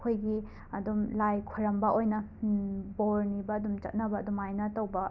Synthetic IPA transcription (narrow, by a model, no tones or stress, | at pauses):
kʰojɡi | ɐdumlajkʰuɾɐmbɐʔojnɐ | boɾnibɐːdumt͡ʃɐ̰t̚nɐbɐːdumajnɐtɐwbɐ